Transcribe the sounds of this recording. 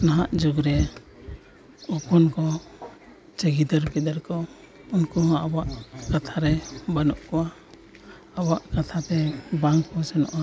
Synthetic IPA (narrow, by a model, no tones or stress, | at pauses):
naɦaʔd͡ʒuɡɾɛ | ɔpɔnkɔ | t͡ʃəɡid̪əɾbid̪əɾkɔ | unkɔɦɔ̃awaʔkat̪ʰaɾɛbanɔʔkɔwa | awaʔkat̪ʰat̪ɛbaŋkɔsɛnɔ̰ʔa